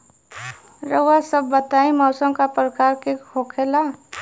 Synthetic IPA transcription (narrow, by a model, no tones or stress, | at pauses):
ɾəasəbːət̪aːimɔːsəmkapɾəkaːɾkehʰoːkʰela